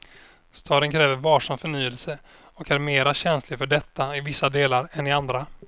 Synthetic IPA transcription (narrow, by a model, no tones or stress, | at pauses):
st̪ʰɑːɾənkʰɾɛːvəɾvɑːʂamfœɳyːəlsə | ɔkæɾmeːɾaɕɛnslɪfœɖɛt̪ʰːaɪvɪsːad̪eːlaɾɛnɪand̪ɾa